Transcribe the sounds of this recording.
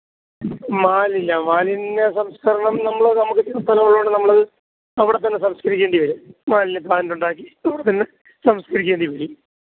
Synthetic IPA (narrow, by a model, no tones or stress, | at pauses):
maːlilːɐmaːlinːesɐmskɐɾɐɳɐmnɐmːɐɭnɐmukːɨt̪ːinːɐst̪ʰɐlɐmɐɭːoːɳɖɨnɐmːɐɭɐɨ | ɐʋiɽe̞t̪̬ːɐnːesɐmskɐɾikʲːeːɳɖiʋɐɾumaːlinep̪aːnnuɳɖaːkːiɐʋiɽet̪ɐnːe | sɐmskɐɾikʲːeːɳɖiʋɐɾi